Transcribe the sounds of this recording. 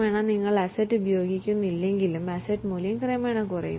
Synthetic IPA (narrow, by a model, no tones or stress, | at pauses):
meːɳaniŋːɐɭɐsɐtːɨbjoːɡikʲːunːilːeŋɡilumɐsɐtːmuljɐŋkrejɐmeːɳakurɐ̰jṵ